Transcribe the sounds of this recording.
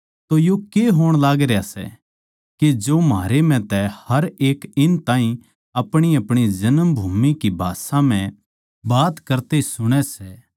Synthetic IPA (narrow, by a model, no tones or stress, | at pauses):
t̪ojokeɦoːɽ̃laːɡɾeasɛ̰ | ked͡ʒoːmaːɾemɛ̃t̪ɛhɐɾeːkɪnt̪ãːĩ | ɐpɽ̃iɐpɽ̃id͡ʒɐnəmbʱuːmikibʱaːsãm̤ɛ̃ | baːt̪kɐɾt̪esʊɽ̃ɛsɛː